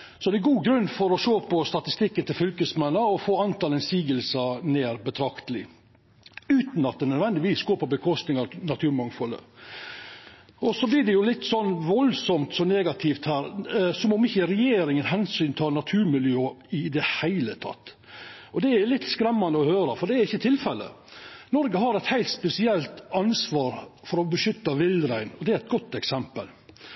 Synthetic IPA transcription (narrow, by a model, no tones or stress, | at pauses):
sɔd̪ɛɛɡuːɡɾʉnːfɔɾɔʃoːpʰɔst̪ɑt̪ɪst̪ɪkːənt̪ʰɪlfʏlkəsmɛnːəɔfoːɑnt̪ɑlɛnsiːɡəlsəneːɾbət̪ʰɾɑkt̪əlɪ | ʉːt̪n̩ɑt̪̚ɛnœd̪ʋɛnd̪ɪʋiːsɡoːpɔbəkʰɔst̪nɪŋɑɾnɑt̪ʰʉːɾmɑŋfɔlːə̰ | ʔɔsɔblɪɖɛjʊlɪt̪ːsɔnːʋɔlsɔmt̪sɔneːɡɑt̪ʰɪft̪hæːɾsɔmɔmɪçːəɾɛjeːɾɪŋənɦɛnsyːnt̪ʰɑnɑt̪ʰʉːɾmɪljøːɪd̪ɛhæɪlət̪ʰɑ̰t̪ː | ʔɔd̪ɛæɾlɪt̪ːskɾɛmːɑnd̪əɔhøːɾəfɔɖɛæɾɪçːət̪ʰɪlfɛlːə̰ | nɔɾɡəɦɑɾɛɪt̪hæɪlt̪spɛsɪɛlt̪ɑnsʋɑːɾfɔɾɔbəʃʏt̪ːɑʋɪlɾæɪnɔd̪ɛæɾɛt̪̚ɡɔt̪ːɛksɛmpə̰l